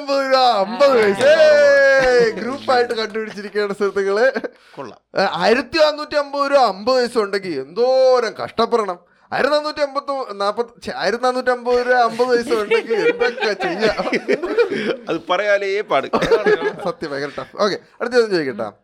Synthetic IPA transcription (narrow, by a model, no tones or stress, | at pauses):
mbɐðoɾuɐmbɐðɨʋɐjse | ɡɾuːpːaːjiʈːɨkɐɳɖupiɽit͡ɕːiɾikʲːeːɽɐst̪iɾɐt̪ːɐɣɐɭe | kuɭːa̰aːjiɾɐt̪ːiɐnːuːtːiɐmbɐðoɾuɐmbɐðɨʋɐjsɐmuɳɖeŋɡile̞nd̪oːɾɐmkɐ̰ʂʈɐpːɐrɐɳɐm | a̰ːjɾɐt̪ːnaːnuːtʲːiɐmbɐt̪ːunːaːpːɐt͡ɕea̰ːjɾɐt̪inaːnːuːtːiɐmbɐðoɾuɐmbɐðɨʋɐjsɐmuɳɡeŋɡilenb̪ekːɐt͡ɕeiɲːa | ɐðɨpɐrɐjaːleeːpaːɽɨ | sɐt̪jɐmeɣɐɾɐʈːɐfo̞ːkːeaːjɾɐt̪̬ːjɐnːɐmd͡ʑejikːiʈːa̰ːm